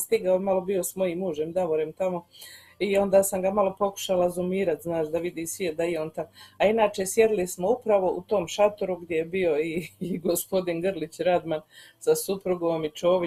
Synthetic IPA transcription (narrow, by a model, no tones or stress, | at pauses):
st̪iɡaomalo̞bio̞smo̞jiːmːuːʒemd̪aʋoɾemt̪amo̞ | io̞nd̪aːsamɡamalo̞po̞ku̥ʃalazumiːɾat̪znaːʃd̪aʋid̪iːsʋied̪aioːnt̪amainaːt͡ʃe̞sje̞ɾilismo̞upɾaʋo̞ʔut̪o̞mʃat̪oɾuɡd̪je̞jebio̞iɡo̞spo̞d̪inɡrlit͡ɕɾad̪man | sasupɾuɡoːmit͡ʃo̞ːʋi